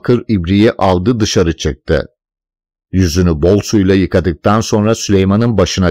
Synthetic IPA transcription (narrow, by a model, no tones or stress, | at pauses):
kʰɯɾibɾijɛʔalˠd̪ɯd̪ɯʃaɾɯt͡ʃʰɯk̚t̪ʰɯ̰ | jyzynybo̞lˠsujlˠajɯkʰad̪ɯk̚t̪ʰanso̞nɾasylʲejmanɯnbaʃɯna